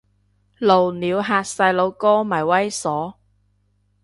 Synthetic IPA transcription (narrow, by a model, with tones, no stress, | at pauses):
lo˨˩wniː˨˧wɦaː˧t̚sɐ˧jlo˨˧wkɔː˥mɐ˨˩jwɐ˥jsɔː˨˥